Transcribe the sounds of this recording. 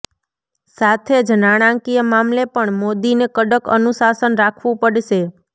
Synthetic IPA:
sat̪ʰed͡ʒnaɽ̃ãŋkijəmamlepəɳmod̪inekəɖəkə̰nusasənɾakʰʋũpəɽʃe

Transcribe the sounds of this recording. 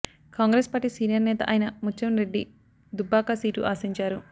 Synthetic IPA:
kaːŋɡɾeːspaːʈːisiːnijɐɾnɛːt̪ɐ̰ʔɐjnɐmut͡ʃːɐnɾe̞ɖːi | d̪ubːaːkasiːʈuʔaːsiɲt͡ʃaːɾu

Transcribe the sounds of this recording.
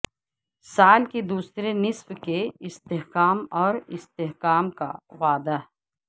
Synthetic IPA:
saːlked̪uːsɾenɪswkeɪst̪eɦkaːmɔːɾɪst̪eɦkaːmka̰waːd̪a

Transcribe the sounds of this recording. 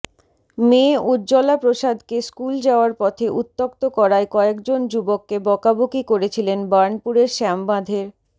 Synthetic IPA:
meod͡ʑɔlapɾoʃad̪ʱkeskuld͡ʑaoaɾpɔt̪ʰeʔut̪ːokt̪okɔɾaekɔekd͡ʑond͡ʑubokːebɔkabokikoɾet͡ɕʰilenbaɾnpuɾeɾʃɛmbad̪ʱeɾ

